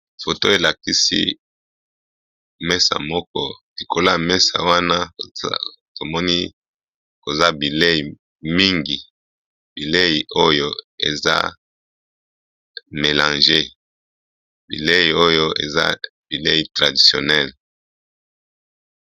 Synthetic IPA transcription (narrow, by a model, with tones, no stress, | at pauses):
fo˨to˦e˨la˨ki˦sḭ˦ | mɛ˦sa̰˨mɔ˦kɔ̰˦li˨ko˦la˦˨mɛ˦sa̰˨wa˦na̰˦˨ | to˨mɔ˦ni˦ | ko˨za˦bi˨le˦i˨ | mi˦ŋɡi˨ | bi˨le˦ji˨ʔo˦jo˦ḛ˨za̰˦ | me˨lã˨nʒe˦ | bḭ˨le˦ji˨o˦jo˦ḛ˨za̰˦bi˨le˦i˨tʁa˨di˨sjo˨nɛ˦˨l